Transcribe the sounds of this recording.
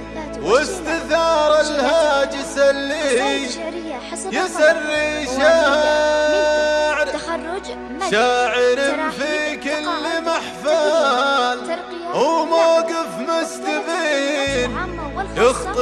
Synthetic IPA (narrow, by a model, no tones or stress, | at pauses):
wɪst̪ɪθɑːɾˤalhaːd͡ʒɪsalːiːhi | jɪsarːiʃaː | ʕɾ | ʃaːʕɪɾɪmfikɪlːmaħfa | l | ʔawmaːɡɪfmast̪ɪðiːn | jʊxt̪ˤ